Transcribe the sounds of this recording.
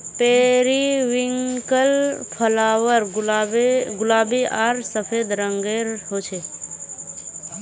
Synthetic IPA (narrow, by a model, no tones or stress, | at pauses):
peːɾiʋiŋkəlpʰəlaːʋəɾ | ɡʊlaːbiʔaːɾsəpʰed̪ɾəŋɡeɾɦot͡ʃʰe